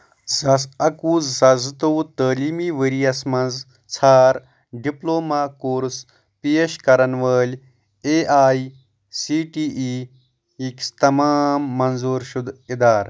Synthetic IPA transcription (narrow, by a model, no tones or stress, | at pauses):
zɐsɐkuːzːɐzt̪owt̪əːliːmiːʋəɾijɐsmɐnz | t͡sʰaːɾ | ɖiploːmaːkoːɾs | pieʃkɐɾɐnʋəːlʲ | eːʔaːi | siːʈiːʔiː | ikst̪ɐmaːmːɐnzuːɾʃud̪id̪aːɾ